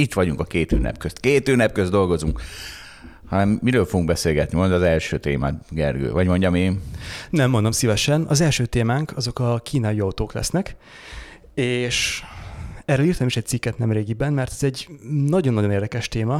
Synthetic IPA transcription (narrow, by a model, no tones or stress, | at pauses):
it̪ʋɒɟuŋkɒkeːt̪øːnɛ̰pkøst̪keːt̪øːnɛp̚køzd̪o̞lɡo̞zuŋk | hɒnɛmːiɾøːlfo̞ɡuŋɡ̚bɛseːlɡɛt̪nimond̪ɒzɛlʃøːt̪ḛːma̰ːɡɛ̰rɡø̰ːvɒɟmo̞ɲɟɒmeːnnɛmːo̞nd̪omsivɛʃɛnɒ̰zɛlʃøːt̪eːmaːŋkʰɒzo̞kɒkʰiːnajiɒut̪oːklɛ̰snɛk | eːʃ | ɛrɛliːrt̪ːmiʃɛc̪̚sikːɛt̪nɛmreːɡibɛnːmɛrt̪ɛzɛɟnɒɟo̞nːɒɟo̞neːrd̪ɛkɛʃt̪eːmɒ